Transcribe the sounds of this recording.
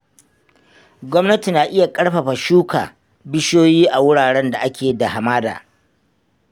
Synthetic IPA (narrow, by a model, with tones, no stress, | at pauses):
ɡʷɔ˦mnɐ˦ti˨naː˨ʔɪ˦ja˨kʼɐ˦ɽɸa˨ɸa˨ʃuː˦kʰa̰ː˨ | bɪ˦ʃoː˦jiː˦ʔa˨wʊ˦ɽaː˨ɽɛ˦nda˨ʔa˦kʲeː˨da˨ha˨maː˦da̰ː˨